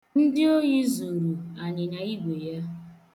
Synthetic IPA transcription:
n̩˦dɪ˦o˦ɲi˦zu˨ɾu˨a˨ɲɪ˨na˨i˦ɡʷe˨ja˦

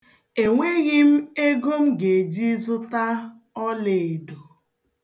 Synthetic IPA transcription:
e˨ŋʷe˦ɣɪ˦m̩˦e˦ɡo˦m̩˦ɡe˨d͡ʒi˦zʊ˦ta˦ | ɔ˦le˨e˨do˨

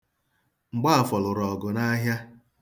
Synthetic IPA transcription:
ŋ͡m̩˨ɡ͡ba˦a˨fɔ˨lʊ˨ɾɔ˨ɡʊ˨na˦ɦja˦

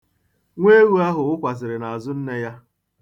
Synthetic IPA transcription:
ŋʷe˦ɣu˦a˦ɦʊ˨ʊ˦kʷa˨zɪ˨ɾɪ˨na˨a˨zʊ˦n̩˦ne˦ja˦

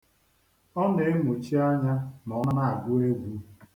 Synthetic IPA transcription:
ɔ˦ne˨e˦mu˨t͡ʃi˦a˦ɲa˦nɔ˨˦na˦na˦˨a˨ɡʊ˦e˦ɡʷu˨˦

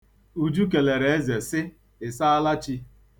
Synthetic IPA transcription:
u˦d͡ʒu˦k̬e˨le˨ɾe˨e˦ze˨sɪ˦ | ɪ˨sa˦a˦la˦t͡ʃi˦

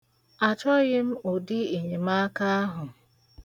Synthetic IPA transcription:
a˨t͡ʃɔ˦ɣɪ˦m̩˦o˨di˦e˨ɲe˨ma˦ka˦a˦ɦʊ˨

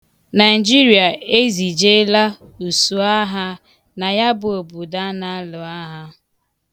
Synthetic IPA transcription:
na˨ɪ˨d͡ʒi˦ɾi˨a˨e˦zi˨d͡ʒe˦la˦u˨su˨a˦ɦa˦ | na˨ja˦bʊ˨o˨bu˨da˦na˦lʊ˨a˦ɦa˦

